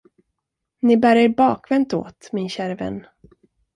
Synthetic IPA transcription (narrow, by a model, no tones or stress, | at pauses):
nɪbæːɾɛɾbɑːkvɛnt̪o̰ːt̪mɪnɕæːɾəvɛ̰nː